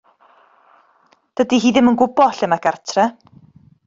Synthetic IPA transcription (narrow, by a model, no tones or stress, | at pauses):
d̥ədiɦiːðɪmənɡʊbɔɬɪmaɡartʰrɛ